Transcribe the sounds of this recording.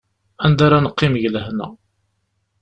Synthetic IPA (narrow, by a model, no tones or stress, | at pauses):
ænd̪aɾanəqːɪmʝləhnæ̰